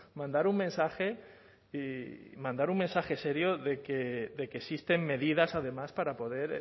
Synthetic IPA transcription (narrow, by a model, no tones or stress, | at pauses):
mãnd̪aɾuŋmẽ̞nsaxe̞ | imãnd̪aɾuŋmensaxe̞se̞ɾjoðe̞keðe̞kesist̪e̞mːe̞ð̞iðasaðe̞maspaɾapo̞ð̞e̞ɾ